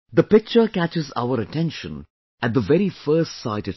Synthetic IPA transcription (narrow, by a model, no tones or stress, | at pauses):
d̪əpɪk̚t͡ʃəkæt͡ʃɪza̰ʊəɾətʰɛ̃nʃə̃n | ʔæt̚d̪əʋɛɾifɜːstsaɪtɨ